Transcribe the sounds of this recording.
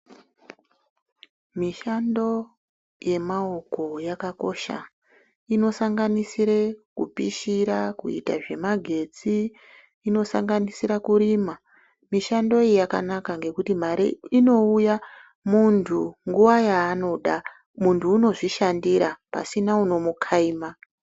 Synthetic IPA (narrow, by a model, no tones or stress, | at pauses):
miʃando̞ | je̞mao̞ko̞jakako̞̰ʃa̰ | ino̞saŋɡanisiɾekṵpiʃiɾakṵḭta̰ʐe̞maɡʱe̞d͡ziː | no̞sa̰ŋɡanisiɾakuɾima | miʃando̞ijaka̰nakaŋɡe̞kutim̤aɾḭino̞uja | muntʰuŋɡuʋajaːno̞ɗa | muntʰuːno̞ʐiʃandiɾapa̰sinauno̞mukʰaima